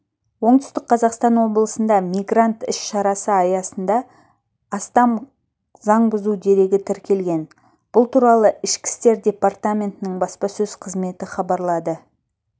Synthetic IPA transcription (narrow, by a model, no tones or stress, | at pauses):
wo̞ɴd̪ʏ̥st̪ɪk̚qʰɑzɑqst̪ɑnwo̞blˠəsənd̪ɑmijɡrant̪ɪʃʃɑɾɑsəɑjɑsənd̪ɑː | st̪ɑm | zɑɴbʊzud̪e̞ɾe̞ɡʲɪt̪ʰɪɾkʲʰe̞lɡʲe̞n | b̥ʊlˠt̪ʰuɾɑlˠəɪʃkʲɪ̥st̪e̞ɾd̪ʲe̞part̪amʲe̞nt̪ɪnɪɴbɑspɑsɵz̥qʰəzme̞t̪ɪχɑbɑɾlˠɑd̪ə